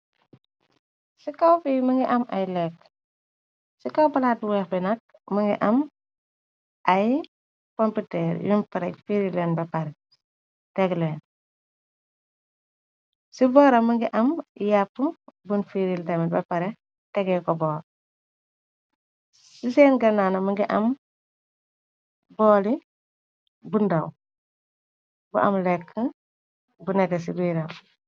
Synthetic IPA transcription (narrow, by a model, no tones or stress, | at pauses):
sikawfimɐŋɡiʔɐmɐjlɛk | sikɐwpɐlaːtwɛːxbɛnɐk̚ | mɐŋɡḭʔɐm | ʔɐj | kɔmputɛːɾjʔunpɐɾɛk̚fiɾilɛːnbɐpɐɾɛ | tɛɡlɛːn | sibɔːɾɐmɐŋɡiʔɐmjapːubunfiɾildɐmiba̰paɾɛ | tɛɡɛkɔbɔːɾ | sisɛːnɡɐnanamuŋɡiʔɐm | bɔːli | bundaw | bṵʔa̰mlɛkːə | bunɛtɛsibuɾaw